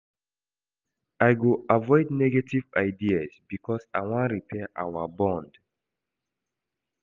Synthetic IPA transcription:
ajɡoavɔɪdnɛɡativaɪdiasbikʰɔsaɪwãnɹipʰɛʔa̰wabɔ̃nd

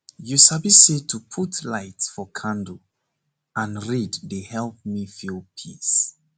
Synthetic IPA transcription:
jusabisetʰupʰutlaɪtsfɔkʰãndu | ãnɹiddehɛlˠp̚mifilˠpʰḭs

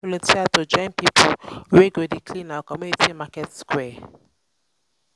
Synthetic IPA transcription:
ɔlɔ̃ntʰiatod͡ʒɔ̃ɪ̃npipʰolweɡodikʰlĩnawkɔmjunitimakɛtskwɛ

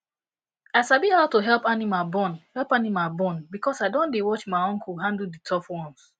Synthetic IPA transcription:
asabihaʊtoɦɛlˠpanimabɔ̃nhɛlpanimabɔ̃nbikɔsaɪdõndewɔt͡ʃmaɪɔ̃ŋkʰulɦãndl̩ditʰɔfwɔ̃ns

